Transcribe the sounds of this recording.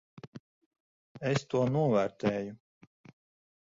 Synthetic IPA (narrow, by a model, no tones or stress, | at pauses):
est̪uɔnuɔvæːɾt̪ɛːju